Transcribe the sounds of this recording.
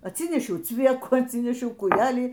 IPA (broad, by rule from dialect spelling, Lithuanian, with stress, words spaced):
ɐtʲˈsʲiːnʲɛʃʲɛʊ ˈt͡sʲʋʲiɛkuː ɐtʲˈsʲiːnʲɛʃʲɛʊ kuːˈjæːlʲiː